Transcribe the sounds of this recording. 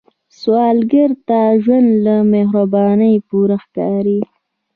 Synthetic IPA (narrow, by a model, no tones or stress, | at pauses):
swɑːlɡəɾt̪aʒwand̪lameɦɾabɑːnəjpuɾaxkɑːɾi